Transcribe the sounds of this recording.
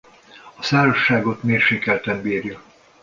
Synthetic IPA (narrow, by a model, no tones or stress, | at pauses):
ɒsaːɾoʃːaːɡo̞t̪meːrʃeːkɛlt̪ɛmbiːrjɒ